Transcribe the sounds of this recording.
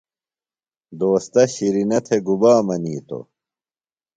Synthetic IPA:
d̪oːst̪ɐɕiɾinɐt̪ʰeɡubaːmɐniːt̪o̰

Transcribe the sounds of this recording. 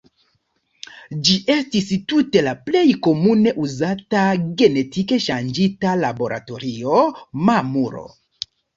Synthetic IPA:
d͡ʒiʔe̞stistute̞laple̞jko̞mune̞ʔuzataɡe̞ne̞tike̞ʃand͡ʒitalabo̞ɾa̰to̞ɾio̞mamuɾo̰

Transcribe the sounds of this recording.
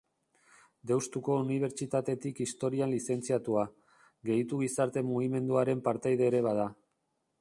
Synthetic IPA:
d̪e̞wst̪uko̞uniβ̞e̞ɾt͡ʃit̪at̪e̞t̪ikist̪o̞ɾianlise̞nt͡siat̪ua | ɣe̞jt̪uɣisaɾt̪e̞muɣ̞ime̞nd̪uaɾe̞mpaɾt̪ajðe̞ːɾe̞βað̞a

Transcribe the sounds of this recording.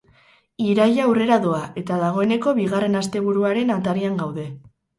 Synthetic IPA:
iɾajawre̞ɾaðoaʔe̞t̪aðaɣ̞o̞e̞neko̞βiɣ̞are̞nast̪e̞β̞uɾuaɾe̞nat̪aɾiaŋɡawðe̞

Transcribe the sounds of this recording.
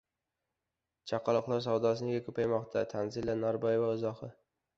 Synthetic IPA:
t͡ʃʰɑqʰɑlˠɨqlˠaɾs̬awd̪ɒsɪnɪɡʲakʰɵpʰajmɒqt̪ʰat̪ʰanzɪlːanaɾbɒjɪvaɪzɒhɨ

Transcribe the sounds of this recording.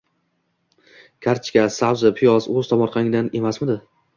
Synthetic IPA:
kʲʰaɾt͡ʃʰkʲasawzɪpʰɪjɒzɵz̥t̪ʰɒmɒɾqʰɑnɪŋd̪ane̞masmɪd̪ɪ

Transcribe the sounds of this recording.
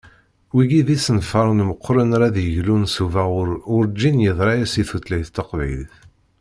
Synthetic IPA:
wiɡiðisənfəɾˤnməqːɾənɾæðjəʝlunsuvæʊɾʊɾd͡ʒːinjəðˤɾˤɑjæsiθut̪læjθt̪ːəqvḭlθ

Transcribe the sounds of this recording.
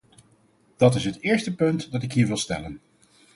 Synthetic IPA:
d̥ɑtɪsɦətɪːɹstəpɵntdɑtɪkɦiːɹʋɪlˠstɛ̰lən

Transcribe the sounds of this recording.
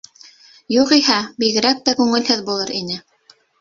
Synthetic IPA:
juqihæbiɣɘ̆ɾæk̚t̪ækʉŋɘ̆lhɘðbulˠɤɾinɘ

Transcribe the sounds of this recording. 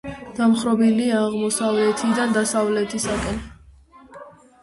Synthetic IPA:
d̪̥amχɾɔbiliaːʁmɔsavlɛt̪ʰid̪and̪asavlɛt̪ʰisakʼɛn

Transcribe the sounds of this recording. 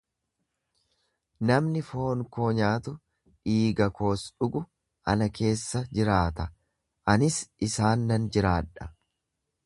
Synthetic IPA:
nɐmnɪfo̞ːŋkoːɲaːt̪ʊ | ᶑiːɡɐko̞ːsᶑʊɡʊ | ʔɐ̰nɐkʰe̞ːsːɐd͡ʒɪɾaːt̪ɐ | ʔɐnɪsɪsaːnːɐnd͡ʒɪɾaːᶑɐ̥

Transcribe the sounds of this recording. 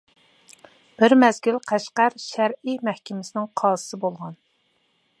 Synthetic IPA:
b̥ɪɾmɛzɡʲylqʰæʃqæɾʃæɾimɛhkʲɪmɪsɪnɪŋqʰɑːsɨ̥sɨbolˠʁɑn

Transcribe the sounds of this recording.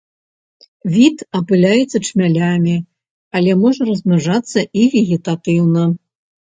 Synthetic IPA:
vʲit̪ɐpɨlʲajɛt̪sːɐt͡ʂmʲalʲamʲi | ɐlʲɛmɔʐɐrɐzmʲaʐat̪sːɐʔivʲiɣʲit̪at̪ɨwnɐ

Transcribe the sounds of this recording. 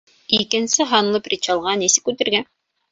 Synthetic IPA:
ikɘ̆nsɘɦɑnlˠɤprʲit͡ɕɑlˠʁɑnisɘ̥kːʉt̪ɘ̆ɾɡæn

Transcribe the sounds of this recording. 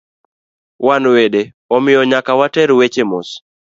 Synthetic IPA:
wanwede | ɔmɪjɔɲakawatɛɾwet͡ʃemʊ̰s

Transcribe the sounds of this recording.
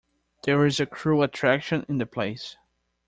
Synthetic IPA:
ð̥əɹɪzɨkʰɹ̥uətʰɹ̥ækʃɨ̃nɪ̃nðɨpʰl̥eɪs

